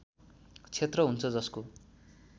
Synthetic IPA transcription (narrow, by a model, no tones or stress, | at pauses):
t͡sʰet̪rʌɦunt͡sʰʌd͡zʌsko